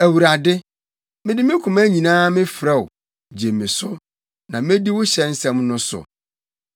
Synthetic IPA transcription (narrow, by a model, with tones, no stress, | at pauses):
æ˨wu˨ɾa˨dɪ˦ | mɪ̃˦dɪ˦mɪ̃˦kʰʊ̃˨mæ˦ɲĩ˨nãː˦mɪ̃˦fɾɛ˦˨wʊ˨ | d͡ʑe˨mɪ̃˨sʊ˦ | nã˨mɪ̃˦di˦wʊ˦ɕɛ˨n̩˦sɛ̃˦mnʊ̃˦sʊ̰˨